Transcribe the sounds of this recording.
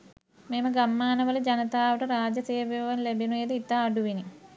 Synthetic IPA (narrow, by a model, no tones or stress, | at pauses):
meməɡamːaːnəʋələd͡ʒɐnət̪aːʋəʈəɾaːd͡ʒɐseːʋeʋɐnlebinued̪əit̪ːaːɖuʋini